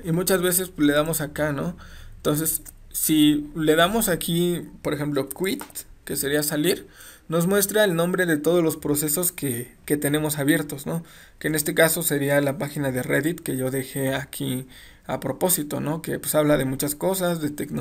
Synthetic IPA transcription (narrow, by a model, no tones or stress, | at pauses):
imut͡ʃazβe̞sespzle̞ðamo̞sakano̞ent̪o̞ns̬e̞sː | ile̞ðamo̞sakʰipo̞ɾexe̞mplo̞kwit̪ke̞se̞ɾiasaliɾ | no̞zmwe̞st̪ɾaelnõ̞mbɾe̞ðe̞t̪o̞ðo̞zlospɾo̞se̞so̞skeke̞t̪e̞nẽ̞mo̞saβje̞ɾt̪o̞zno̞ | ke̞ːne̞st̪e̞kaso̞se̞ɾialapaxinaðe̞reðit̪ke̞ʝo̞ðe̞xe̞akʰi | a̰pɾo̞po̞sit̪o̞̰no̞ke̞pwe̥saβlaðe̞mut͡ʃasko̞sazðe̞t̪ekno